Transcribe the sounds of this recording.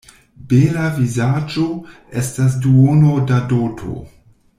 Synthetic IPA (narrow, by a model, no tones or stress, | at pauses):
belavizad͡ʒo | estas̬duonodadotʰo̰